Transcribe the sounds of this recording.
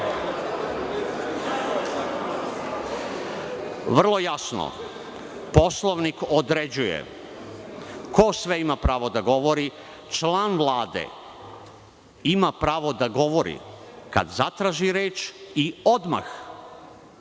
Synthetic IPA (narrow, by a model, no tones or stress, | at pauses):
ʋr̩lˠo̞jasno̰ | po̞slˠoʋnikod̪ɾed͡ʑujḛ | ko̞sʋeimapɾaːʋo̞d̪aɡo̞ʋo̞ɾi | t͡ʃlaːnʋlˠaːd̪ḛ | imapɾaːʋo̞d̪aɡo̞ʋo̞ɾḭka̰d̪zat̪ɾaːʒiɾeːt͡ʃio̞d̪ma̰x